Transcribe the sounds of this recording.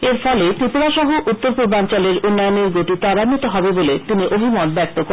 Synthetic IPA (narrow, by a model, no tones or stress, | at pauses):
eɾfɔlet̪ɾip̪uɾaʃɔɦoʔut̪ːoɾpuɾbant͡ɕaleɾunːajoneɾɡoʈit̪aɾamit̪oɦɔbebolet̪iniʔobʱimɔnbɛk̚t̪oko